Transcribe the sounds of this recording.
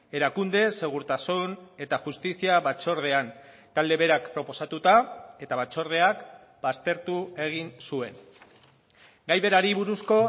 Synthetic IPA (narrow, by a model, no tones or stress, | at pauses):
e̞ɾakund̪e̞se̞ɣ̞uɾt̪asune̞t̪axust̪isiaβat͡so̞ɾð̞e̞an | t̪ald̪e̞βe̞ɾakpɾo̞po̞sat̪ut̪ae̞t̪aβat͡so̞ɾð̞e̞ak | bast̪e̞ɾt̪ue̞ɣ̞insue̞n | ɡajβe̞ɾaɾiβuɾusko̞